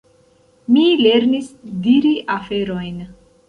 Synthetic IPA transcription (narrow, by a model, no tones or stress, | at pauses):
mile̞ɾnisdiɾiʔafe̞ɾo̞jn